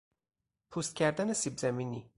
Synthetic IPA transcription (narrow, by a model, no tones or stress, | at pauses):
pʰuːst̪̚cʰʲæɾd̪ænesibzæmiːni